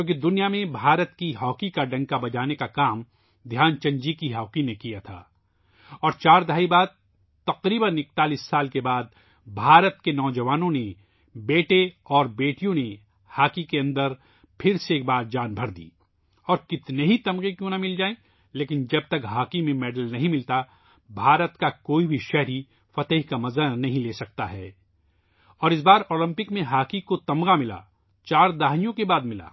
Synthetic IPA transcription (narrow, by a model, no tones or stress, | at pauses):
jõːkid̪ʊnijamẽbʱaːɾət̪kiɦɔːkikaɖɐ̃ŋɡkabɐd͡ʒaːnekakaːm | d̪ʱjaːnt͡ʃɐ̃ɲd͡ʒikiɦɔːkinekijat̪ʰa̰ː | ɔːɾt͡ʃaːɾd̪aːibaːd̪̚ | t̪ɐqɾiːbənɪk̚t̪aːlisːaːlkebaːd̪̚ | bʱaːɾət̪kenɔːd͡ʒɐʋaːnõne | beːʈeɔːɾbeːʈijõne | haːkikeɐ̃nd̪əɾ | pʰɪɾseːk̚baːɾd͡ʒaːnbʱɐɾd̪ḭː | ɔːɾkɪt̪neɦit̪ɐmɡẽkjõːnamɪld͡ʒaːẽː | leːkɪnd͡ʒɐb̚t̪ɐkɦaːkimẽmɛːɖəlnɐɦĩmɪlt̪a | bʱaːɾət̪kakoːibʱiʃɛɦɾi | fɐt̪əɦikamɐzənɐɦĩleːsɐk̚t̪a̰ɦɛː | ɔːɾɪs̬baːɾoːlɪ̃mpɪkmẽɦaːkikot̪ɐmɡamɪla̰ː | t͡ʃaːɾd̪aːɦnijõkebaːd̪mɪla̰ː